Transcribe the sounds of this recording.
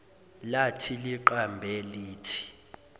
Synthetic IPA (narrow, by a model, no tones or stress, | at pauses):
latʰiliǃambʱɛliːtʰi̥